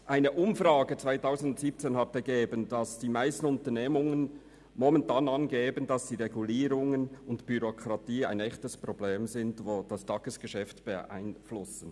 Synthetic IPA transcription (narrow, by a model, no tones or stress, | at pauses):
ʔaɪnəʔʊmfrɑːɡət͡sv̥aɪtaʊzn̩dʊntsiːp̚t͡seːnhɑtɛɡeːbəndɑsd̥iːmaɪstn̩ʊntəneːmʊŋən | mɔmɛntɑːnɑnɡeːbəndɑsd̥iːʁeɡuliːɾʊŋənʊntb̥yɾokʰʁɑtiːa̰ɪnɛçtəspʁobleːmzɪntvoːd̥ɑstɑːɡ̥əsɡ̥əʃɛftb̥əʔa̰ɪnflʊsən̩